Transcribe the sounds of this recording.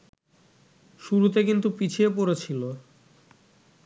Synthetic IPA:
ʃuɾut̪ek̬int̪upit͡ɕʰiepoɾet͡ɕʰilo

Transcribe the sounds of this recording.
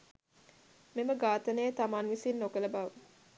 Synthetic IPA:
meməɡaːt̪ənəjət̪amaːnʋisinːokələbaʋə

